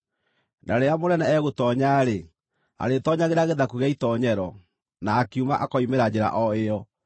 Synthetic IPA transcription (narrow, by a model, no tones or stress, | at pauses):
naɾeamoɾɛnɛɛɣotɔɲaːɾe | a̰ɾetɔɲaɣeɾaɣeðakuɣaitɔɲɛɾɔ | naːkeuma̰ʔakɔimeɾad͡ʑeɾa̰ʔɔeɔ